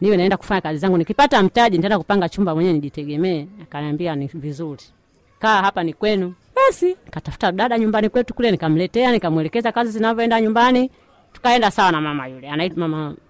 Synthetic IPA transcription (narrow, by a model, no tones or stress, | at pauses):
niwɛnaɛndaku̥faɲakazizaŋɡunikipatam̩taʄinitɛndakupaŋɡat͡ʃumbamwɛɲɛniʄitɛɡɛmɛːakanambianivizuli | kaahapanikwɛnu | ɓasinikatafu̥taɗaɗaɲumbanikwɛtu̥kulɛnikam̩lɛtɛanikamwɛlɛkɛzakazizinavɔɛndaɲumbani | tu̥kaɛndasawanamamajulɛanaimama